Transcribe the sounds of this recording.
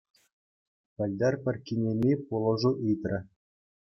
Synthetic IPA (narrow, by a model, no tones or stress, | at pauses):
pʲɘ̆lʲd̪ɑrpʲɘ̆rʲkʲinʲemʲipulˠɤ̆ʐuʔɯjt̪rʲɘ̆